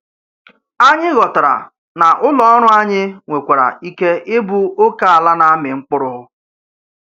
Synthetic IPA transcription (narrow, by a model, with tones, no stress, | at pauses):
a˦ɲɪ˦ɣɔ˨ta˨ɾa̰˨ | na˨ʔʊ˦lɔ˦ɔ˦ɾʊ˦a˦ɲɪ˦ŋʷe˨kʷa˨ɾa̰˨i˦ke˦ɪ˦bʊ˦o˦ka˨a˨la˦na˨a˦mɪ˨ŋ͡m̩˦k͡pʊ˦ɾʊ˦ɦʊ˦